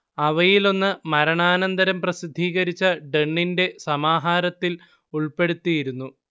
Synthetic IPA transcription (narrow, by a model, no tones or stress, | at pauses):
ɐʋɐjilo̞nːɨmɐɾɐɳaːnɐnd̪ɐɾɐmprɐsid̪ʱːiːɣɐɾit͡ɕːɐɖeɳːinde̞sɐmaːɦaːɾɐt̪ːil | uɭpe̞ɽut̪ːijiɾunːu